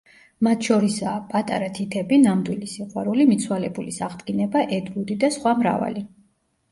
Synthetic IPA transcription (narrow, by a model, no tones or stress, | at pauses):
mat̪ʰʃɔɾisaːpʼat̪ʼaɾat̪ʰit̪ʰɛbinamd̪wilisiqʼwa̰ɾulimit̪sʰwalɛbulisaʁd̪ɡinɛbaʔɛd̪ɾud̪id̪asχwamɾa̰va̰li